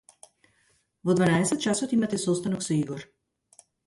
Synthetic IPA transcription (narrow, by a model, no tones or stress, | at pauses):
vɔd̪vanaɛsɛt̪̚t͡ʃasɔt̪imat̪ɛsɔst̪anɔksɔiɡɔɾ